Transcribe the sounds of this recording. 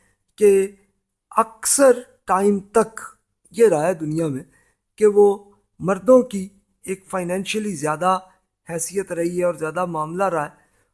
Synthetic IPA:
ke | ɐksəɾ | ʈaːimt̪ɐk | jeɾaɦeːd̪ʊnijamẽ | keʋo | mɐɾd̪õki | eːkfaːɪnɛ̃ːnʃəlizjaːd̪a | hɛːsijət̪ɾɐɦiɦɛɔːɾzjaːd̪amaːmlaɾɐɦeː

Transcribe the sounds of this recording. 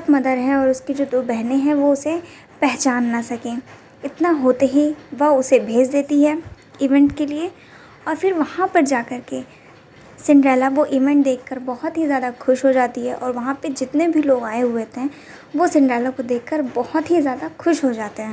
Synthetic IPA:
ɐt̪mɐd̪əd̪ɦɛ̃ɔːɾʊsked͡ʒoːd̪oːbɛɦneɦɛ̃ʋoʊse | pɛɦt͡ʃaːnːɐsɐkẽː | ɪt̪naɦoːt̪eɦiʋɐʊsebʱeːd͡ʒd̪eːt̪iɦɛː | iːʋɛ̃ɳʈkelie | ɔːɾfʰɪɾʋɐhãpɐɾd͡ʒaːkɐɾke | sɪ̃ɳʈɾɛːlaʋoʔiːʋɛ̃ɳʈ̚d̪eːkʰːɐɾbɔɦʊt̪ɦizjaːd̪axʊʃɦod͡ʒaːt̪iɦɛʔɔːɾʋɐɦãped͡ʒɪt̪nebʱiloːɡaːeɦʊet̪ɦɛ̃ | ʋosɪ̃ɳɖɾɛːlakod̪eːkʰːəɾbɔhʊt̪ɦizjaːd̪axʊʃɦod͡ʒaːt̪eɦɛ̃ː

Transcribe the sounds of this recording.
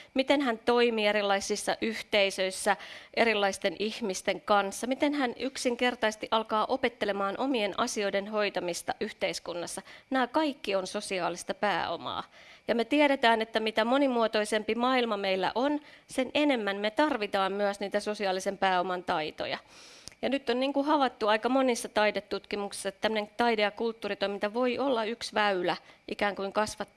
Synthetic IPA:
mit̪enɦænt̪o̞imiːeɾilːɑisːisːɑʔyht̪eisøisːæʔeɾilːɑist̪e̞nihmist̪e̞ŋkɑnsːɑmit̪enhænyksiŋke̞rt̪ɑist̪iʔɑlkɑːʔope̞t̪ːele̞mɑːnʔo̞mie̞nɑsio̞jdenɦo̞jt̪ɑmist̪ɑʔyht̪eiskunːɑsːɑnæːkɑikːionso̞siɑːlist̪ɑpæ̰ːo̰mɑ̰ːjɑmet̪iɛɾet̪æːnet̪ːæmit̪æmonimuot̪oisempimɑilmɑmeilːæ̰ʔonsenʔenemːænmet̪ɑrʋit̪ɑːmmyæsniːt̪æsosiɑːlisempæːomɑnt̪ɑit̪o̰jɑ̰jɑnyt̪ːonniːŋkuhɑʋɑt̪ːuɑikɑmonisːɑt̪ɑidet̪ːut̪kimuksi̥sːɑt̪ːæmːø̆neŋt̪ɑidejɑkult̪ːuːrit̪oimint̪ɑʋoiolːɑyksʋæylæʔikæːŋkuiŋkɑsʋɑt̪ː

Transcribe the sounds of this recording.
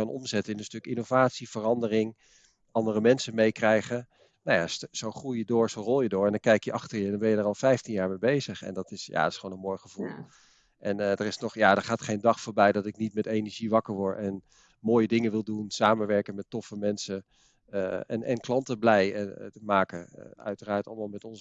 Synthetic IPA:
ɑnʔɔ̰mzɛtəɪnənstɵkɪnowvaːtsiv̥ərɑndərɪŋ | ɑndərəmɛnsəmejkrɛjχən | najasowχrujjədʊːɹzowrɔlˠjədʊːɹɛndɑnŋkɛjkjəʔɑχtəɹjədɔnbɛnjədəɹɑlˠfɛjftinjaːɹmejbejzəχɛ̰ndɑtɪsja̰tɪ̥sχʋownənmojχəv̥ulˠ | ʔɛndərɪsnɔχjaːdəɹχaːtχejndɑχfʊːɹbɛjdɑtɪknitmɛtejnəɹʒiʋɑkəɹʋɔɹtɛn | moːjədɪŋəʋɪlˠdunsaːmənʋɛɹkənmɛtɔfəmɛnsə | ɛ̰nʔɛnklɑntəblɛjmaːkəœ̰ɥtəraːɹtɑ̰lˠmaːlˠmɛtɔnzə

